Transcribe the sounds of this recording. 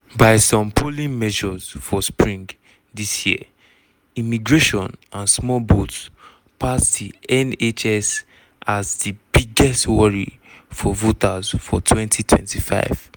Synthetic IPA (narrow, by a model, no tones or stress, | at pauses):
baɪsɔ̃mpʰolĩnmɛʒɔz̥fɔspɹĩŋ | disjiə̰ | imiɡɹeʃɔ̃nãnsmɔlbot | pʰasdiɛnet͡ʃɛs | ʔazdibiɡɛstwɔɹḭ | fɔvotazfɔtʰwɛ̃ntʰitʰwɛ̰̃ntifa̰ɪv̥